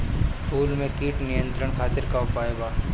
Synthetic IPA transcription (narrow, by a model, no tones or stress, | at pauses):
pʰuːlmẽkiːʈnɪjə̃nt̪ɾəɽ̃kʰaːt̪ɪɾkaʊpaːebaː